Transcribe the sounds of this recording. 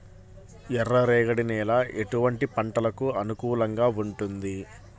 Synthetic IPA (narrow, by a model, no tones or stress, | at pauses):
ɛrːɐɾɛːɡɐɽinɛːlaːʔeʈuʋɐɳʈipɐɳʈɐlɐkuɐnukuːlɐŋɡaːuɳʈund̪i